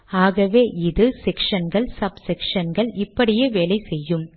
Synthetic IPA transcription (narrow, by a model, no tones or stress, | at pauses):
aːɣɐʋeːʔɪðɯsɛkʂɐnɡɐɭsɐbsɛkʂɐnɡɐɭɪpːɐɽɪjeːʋeːlɐɪsɛjːɯm